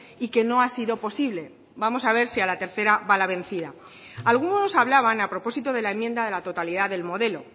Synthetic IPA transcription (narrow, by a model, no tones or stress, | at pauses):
ike̞no̞asiðo̞po̞siβle̞ | bamo̞saβ̞e̞ɾsialat̪e̞ɾθe̞ɾaβalaβ̞ẽ̞n̟θiða | alɣ̞unonosaβ̞laβ̞anapɾo̞po̞sit̪o̞ð̞e̞lae̞mːje̞nd̪aðe̞lat̪o̞t̪aliðaðe̞lmo̞ðe̞lo̞̰